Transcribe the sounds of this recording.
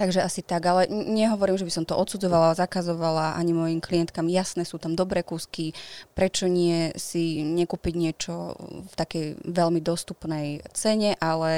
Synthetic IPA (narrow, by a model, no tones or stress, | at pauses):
t̪aɡʒɛasit̪aɡalɛɲɛɦɔʋɔɾiːmʒɛbisɔmt̪ɔʔɔt̪sud͡zɔʋalazakazɔʋalaʔa̰ɲimɔjimkliɛnt̪̚kamjasnɛːsuːt̪amd̪ɔbɾɛːkuːskipɾɛt͡ʃɔɲɪɛsiɲɛkuːpiɟɲɪɛt͡ʃɔft̪akɛjʋɛlmid̪ɔst̪upnɛjt͡sɛɲɛʔalɛ